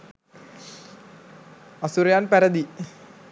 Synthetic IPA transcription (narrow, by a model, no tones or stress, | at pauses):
ɐsuɾjaːnpæɾɐd̪i